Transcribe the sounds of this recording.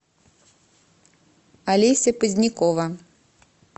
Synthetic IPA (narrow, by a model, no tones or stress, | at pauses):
ɐlʲisʲɐpɨzʲnʲikɔʋɐ